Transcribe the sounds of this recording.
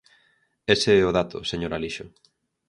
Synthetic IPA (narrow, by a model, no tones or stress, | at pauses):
eseɛoðat̪ʊ̰seɲoɾaliʃʊ